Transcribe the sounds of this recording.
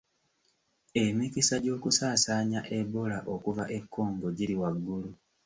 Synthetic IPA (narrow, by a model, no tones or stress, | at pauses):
e̞mikisaɟo̞ːkusaːsaːɲaʔebolaʔo̞kuvaʔe̞kʰːo̞ːmɡo̞ɟiɾiwaɡːulu